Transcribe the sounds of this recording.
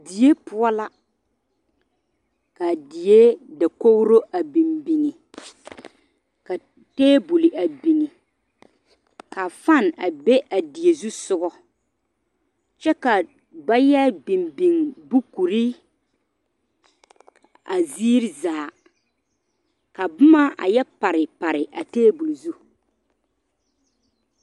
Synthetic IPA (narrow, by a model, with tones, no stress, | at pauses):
di˨je˦pʊ˦ɔ˦la˦ | ka˨di˨je˦da˨ko˦wɾo˦ʔa˨bi˨mbi˨ŋi˨ | ka˨ | teː˦bu˨li˨ʔa˨bi˨ŋi˨ | ka˨fa˦˨na˨be˦ʔa˨di˨e˨zu˦sʊ˦ɡɔ˦ | t͡ʃɛ˦ka˨ | ba˦jɛ˦bi˨mbi˨ŋbu˦ku˨ɾi˦ | a˨zi˦ɾi˦zaː˨ | ka˨bʊ˦ma˦ʔa̰˨jɛ˦pa˨ɾɪ˨pa˨ɾɪ˨ʔa˨teː˦bu˨li˨zu˦